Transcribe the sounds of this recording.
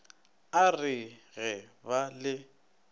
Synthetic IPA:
arɪɣɛbalɪ

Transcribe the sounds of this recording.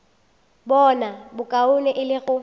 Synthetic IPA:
bɔnabʊkʼaʊnɛʔɪlɪɣʊ

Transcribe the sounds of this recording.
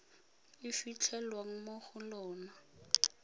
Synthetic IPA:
ɪfit͡ɬʰɛlwaŋ̩moχʊlɔːna

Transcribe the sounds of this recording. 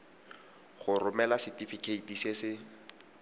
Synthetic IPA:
χʊrʊmɛlasɪtifikʰeitisesɪ

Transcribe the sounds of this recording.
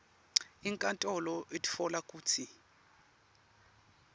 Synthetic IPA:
iŋkʼantʼɔlɔʔetʼi̥fɔlakʼuːt͡sʰi

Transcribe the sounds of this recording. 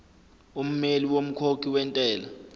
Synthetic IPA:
um̩meliwom̩kʰokʰiwɛntʼɛːla

